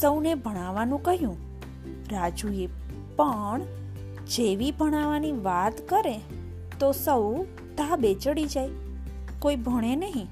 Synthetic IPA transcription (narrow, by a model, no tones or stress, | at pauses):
səwnebʱəɽ̃aʋanũkəɦjũ | ɾad͡ʒue | pəɳ | d͡ʒeʋibʱəɽ̃aʋaniʋat̪kəɾe | t̪osəw | t̪abet͡ʃəɽid͡ʒaj | koibʱəɽ̃enəɦĩ